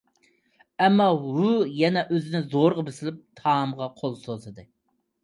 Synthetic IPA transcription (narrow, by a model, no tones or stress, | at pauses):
ɛmːɑwujɛnɛʔøzɪnɪzoɾʁɑbesɪlɪp̚t̪ʰɑmʁɑqʰolˠsozɨd̪ɨ